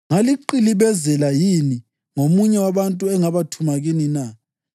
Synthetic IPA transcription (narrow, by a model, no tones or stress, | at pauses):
ŋaliǃiliβɛzɛlajini | ŋomuɲɛwaβantʼuɛŋaβatʰumaɣinina